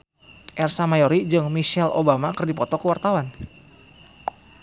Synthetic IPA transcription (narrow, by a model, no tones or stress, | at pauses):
ʔɛrsamajoɾid͡ʒɨŋmiʃɛlo̰bamakərdipɔt̪ɔkəwart̪awan